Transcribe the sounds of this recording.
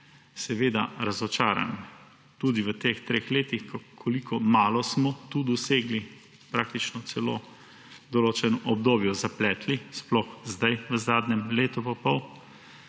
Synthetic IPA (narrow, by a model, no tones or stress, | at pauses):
sɛʋeːd̪a̰ɾazɔt͡ʃaːɾa̰n | t̪uːd̪iʋət̪ext̪ɾeːxleːt̪ixkkʰɔlikʰɔmaːlɔsmɔt̪uːd̪ɔseːɡli | pɾaːk̚t̪it͡ʃnɔt̪sɛlo̰ː | d̪ɔloːt͡ʃɛnɔʔɔbd̪oːbjɔzaplɛːt̪lisplɔxzd̪ajʋəzaːd̪ɲɛmleːt̪upɔpɔw